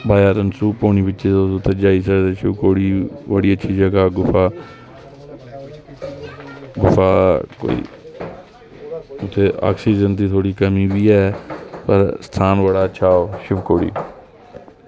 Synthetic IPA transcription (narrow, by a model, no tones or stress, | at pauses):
baːjaːɾənsuːpoːniːbɪtːʃeːoʊt̪ʰːeːd͡ʒaːiːsəd̪eʃʊːkoːɽiːbəɽiːətːʃʰiːd͡ʒəɡaːɡʊfaː | ɡʊfaːko̰ːḭː | ʊt̪ʰːeːʔa̰ːksiːd͡ʒənt̪̬iːt̪ʰoːɽiːkəmiːbiːɛːpəɾsə̥t̪ʰaːnʋəɽaːəʃʰaːoːʃʊʋkoːɽḭː